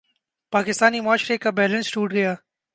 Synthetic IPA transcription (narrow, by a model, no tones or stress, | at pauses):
paːkɪst̪aːnimʊaːʃɾekabɛːlə̃nsʈuːʈɡɐjaː